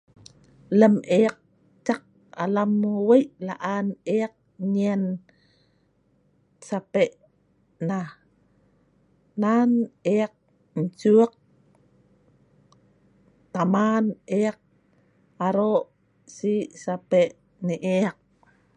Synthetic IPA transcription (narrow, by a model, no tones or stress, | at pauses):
ləmeaq̚ | t͡ʃaq̚ | a̰lamwejʔlaʔaneaq̚ɲian | sapeʔ | na | naneaq̚ | ɲt͡ʃuəq̚ | t̪amaneaq̚ | aɾoʔ | sisapeʔ | niʔeaq̚